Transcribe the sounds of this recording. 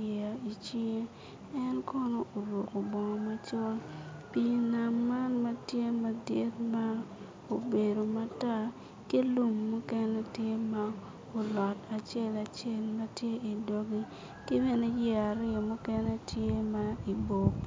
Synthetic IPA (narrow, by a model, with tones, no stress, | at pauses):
ɛ˨a˨i˨t͡ʃi˦ŋe˦ | ɛ˦nkɔ˦nɔ˦ʔo˨ɾwo˨ko˨bɔ˨ŋɔ˨ma˦t͡ʃɔ˦lpi˨na˨mːa˦nma˦tje˦ma˦dɪ˦t̚ma˦ | o˨be˨do˨ma˦ta˦ | ke˦lu˦mːu˦kɛ˦nɛ˦tje˦ma˦ | o˨lɔ˨ta˨t͡ʃe˦la˨t͡ʃe˦˨lma˦tje˦i˨do˦ɡi˦ | kɪ˦bɛ˦ne˦jɛ˦a˨ɾɪ˦ɔ˨mu˦kɛ˦nɛ˦tje˦ma˦i˨bo˨k